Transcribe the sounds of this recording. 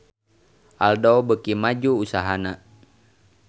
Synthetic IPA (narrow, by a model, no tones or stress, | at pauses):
ʔaldɔbəkimad͡ʒuːsaɦana